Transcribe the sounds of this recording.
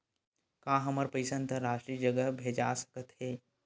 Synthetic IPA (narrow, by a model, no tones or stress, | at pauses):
kãːɦɐməɾpəɪsənt̪əɾaːʃʈɾiːd͡ʒəɡəbʱeːd͡ʒa̰ːsə̥kət̪heː